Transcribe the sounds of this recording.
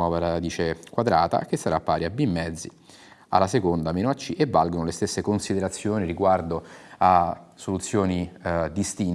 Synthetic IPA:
ɔːvaɾaad̪iːt͡ʃekwad̪ɾa̰ːt̪a̰k̟esːaɾapːaːɾiabimːɛd̪zːḭ | a̰lːasekond̪ameːnoat͡ʃːiʔevːalɡonolest̪esːekonsid̪eɾat̪sːjoːniɾiɡward̪oasolut̪sːjoːnid̪ist̪in

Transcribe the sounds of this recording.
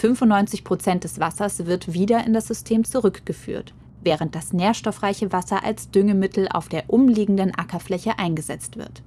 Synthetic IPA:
fʏnfʊntnɔʏnt͡sɪçpʁ̥ot͡sɛnt̚d̥ɛsv̥asɐsv̥ɪɐtv̥iːdɐɪndasz̥ʏstʰeːmt͡suʁʏkɡ̥əfy̰ːɐt | vɛːʁənt̚d̥asneːɐʃtɔfʁ̥aɪçəvasɐʔa̰lsd̥ʏŋəmɪtʰl̩a̰ʊfd̥eːɐʔʊmliːɡŋ̩dənʔakɐflɛçəʔaɪnɡəzɛ̰t͡stv̥ɪ̰ɐt

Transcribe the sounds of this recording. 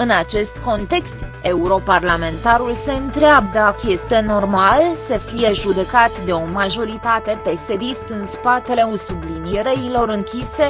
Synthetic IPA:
ɨnat͡ʃe̞st̪ko̞nt̪e̞kst̪e̞uɾo̞parlame̞nt̪aɾulse̞ɨnt̪ɾeabd̪akje̞st̪e̞no̞rmalsəfije̞ʒud̪e̞kat̪d̪e̞o̞maʒo̞ɾit̪at̪e̞pe̞se̞d̪ist̪ɨnspat̪e̞le̞usublinieɾeilo̞ɾɨŋkʲise̞

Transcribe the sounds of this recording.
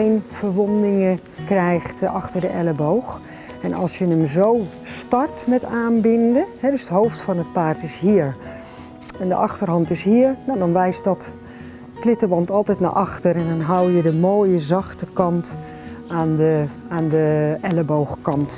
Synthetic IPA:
enfərʋondɪŋə | krɛjχtʔɑxtərdəʔɛləbowx | ɛnʔɑ̰lˠsjənəmzow | stɑrtmɛtaːnbɪndəhɛdøsətɦowftfɔnət̚paːrtɪsɦiːəɹ | ɛndə̰ʔɑxtərɦɑntɪshiəɹnadɔnʋɛjstdɔt | plɪtəʋɑntɑlˠtɛjtna̰ʔɑxtərɛndɔnɦawjədəmoːjəzɑxtəkɑnt | aːnəaːndəʔɛləbowxkɑnt

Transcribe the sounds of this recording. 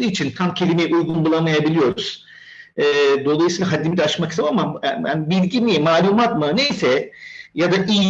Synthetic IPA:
ɯːit͡ʃʰint̪ʰamcʰe̞lʲimejiʔujɡunbulˠamajabilʲijo̞ɾuz̥ | ɛːd̪o̞lˠajsiːlˠaɦad̪ːimid̪ɛat͡ʃmaki̥saamaaanibilʲɟimijɛmaːlʲuːmat̪mane̞jsɛjad̪aʔij

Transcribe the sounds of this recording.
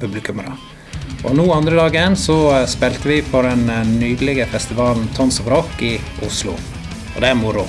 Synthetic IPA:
pʉblɪkʉməɾɑ̰ | ʔɔnuːɑnd̪ɾəd̪ɑːɡəɛnsɔspɛlt̪əʋɪpʰɔɖɛnnyːd̪əlɪɡəfɛst̪ɪʋɑːln̩t̪ʰɔnsɔbɾɔkɪ | ʔʊslʊ̰ | ʔɔ̰d̪ɛæɾmʊɾʊ

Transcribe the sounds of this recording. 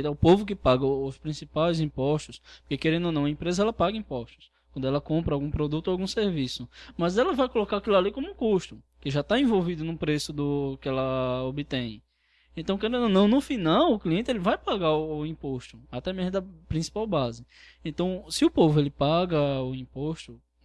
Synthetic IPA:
t̪ɛʊpovʊk̬ɪpaɡɐʊspɾĩsipajzĩpɔʃt̪ʊsppʊɾkekeɾẽnd̪ʊnɐ̃w̃ɐẽpɾezɐɛlɐpaɡɐĩpɔʃt̪ʊ̥skkwɐ̃nd̪ʊɛlɐkõpɾɐawɡũpɾod̪ut̪ʊawɡũseɾvisʊmɐzɛlɐvajkolokaakilalikõmʊũkuʃt̪ʊ | kɪʒat̪aẽvowvid̪ʊnũpɾesʊd̪ʊkɪɛlɐobɪt̪ẽj̃ | ẽnt̪ɐ̃w̃kẽɾẽnd̪ʊnɐ̃w̃nʊfinawʊkliẽnt̪ɪelɪvajpaɡaʊʊĩpoʃt̪ʊat̪ɛmezmʊd̪ɐpɾĩsi̥pawbazɪ | ẽnt̪ɐ̃w̃sɪʊpovʊelɪpaɡɐʊĩpoʃt̪ʊ

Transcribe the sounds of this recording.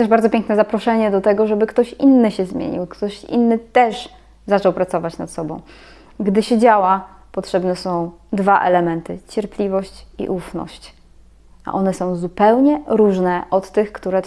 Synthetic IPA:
t̪ɛʐbaɾd̪zɔpʲẽŋknɛzapɾɔʂɛɲɛd̪ɔt̪ɛɡɔʐɛbɘkt̪ɔɕinːɘɕɛzmʲjḛɲḭwkt̪ɔɕḭnːɘt̪ɛʂ | zat͡ʂɔwpɾat̪sɔvat͡ɕnat̪sɔbɔ̃w̃ | ɡd̪ɘɕɛd͡ʑawa | pɔtʂɛbnɛsɔ̃w̃d̪vaʔɛ̰lɛmɛnt̪ɘt͡ɕɛɾplʲivɔɕt͡ɕḭʔufnɔ̰ɕt͡ɕ | a̰ʔɔnɛsɔ̃w̃zupɛwɲɛɾuʐnɛʔɔt̪ːɘxkt̪uɾɛ

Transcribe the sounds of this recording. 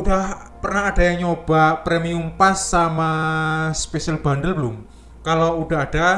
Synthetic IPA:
uɖ̥ah | pərnaːd̥a̤jaŋɲob̥a̤pɾemiumpasːamaspesalb̥a̤nd̪əlbəlʊm | kalouɖ̥aɦaɖ̥a

